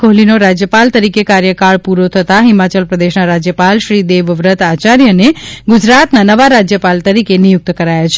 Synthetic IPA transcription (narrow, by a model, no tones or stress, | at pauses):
koɦlinoɾad͡ʒjəpalt̪əɾikekaɾjəkaɭpuɾot̪ʰət̪aɦimat͡ʃəlpɾəd̪eʃnaɾad͡ʒjəpalʃɾid̪eʋʋɾət̪at͡ʃaɾjəneɡud͡ʒɾat̪nanəʋaɾad͡ʒjəpalt̪əɾikenijʊk̚t̪kəɾajat͡ʃʰ